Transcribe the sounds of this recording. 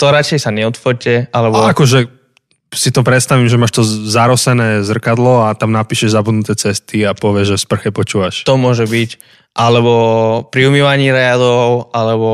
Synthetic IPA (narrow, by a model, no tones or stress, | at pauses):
t̪ɔɾat͡ʃɛjsaɲɛɔt̪fɔɾcɛʔalɛbɔakɔʒɛ | sit̪ɔpɾɛt̪st̪aʋimʒɛmaːʃt̪ɔzaɾɔsɛnɛːzr̩kad̪lɔat̪amnapiːʃɛʒzabud̪nut̪ɛːt͡sɛst̪iapɔʋɪɛʒɛfspr̩xɛpɔt͡ʃuːʋaʃt̪ɔmʊɔʒɛbic | ʔalɛbɔpɾiumiːʋaɲiːɾɛad̪ɔʊalɛbɔ